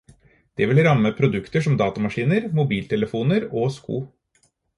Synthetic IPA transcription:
d̪̥ɛʋɪlɾɑmːəpʰɾʊd̪ʉkt̪əʂɔmd̪ɑːt̪ɑmɑʂiːnəɾmʊbiːlt̪ʰɛləfuːnəɾoːskṵː

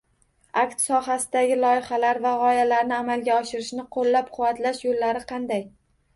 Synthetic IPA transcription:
akt̪sɒɦasɪd̪aɡʲɪlˠɒjɪχalaɾvaʁɒjalaɾnɪamalɡʲaɒʃɪɾɪʃnɪqʰolːap̚qʰʊwːat̪laʃjolːaɾɪqʰɑnd̪aj

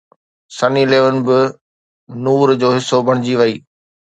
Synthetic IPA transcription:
sɐnileːʋən̆bɪ | nuːɾd͡ʑoːɦɪsːobʱɐɽ̃ɪd͡ʑiʋɐiː

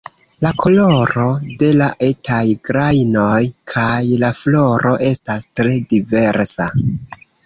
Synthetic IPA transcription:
lakʰo̞lo̞ɾo̞de̞laʔe̞tʰajɡɾajno̞jkʰajlaflo̞ɾo̞ʔe̞stastɾe̞dive̞ɾsa

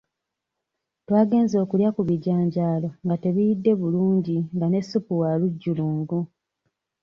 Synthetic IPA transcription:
twaːɡe̞ːnzo̞ːkuljakuβiɟaːɲɟaːlo̞ŋɡate̞βijidːe̞βuluːɲɟiŋɡane̞supuwaluɟːuluːŋɡu

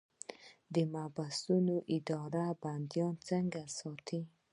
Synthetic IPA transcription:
d̪əmabast̪unoʔɪd̪ɔɾaband̪jɑnt͡səŋɡasɑt̪ʰi

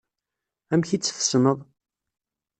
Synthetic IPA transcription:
æmçit͡sːθə̥snəðˤ

